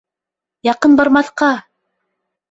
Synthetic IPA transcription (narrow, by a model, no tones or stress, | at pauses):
jɑqɤnbɑɾmɑθqɑ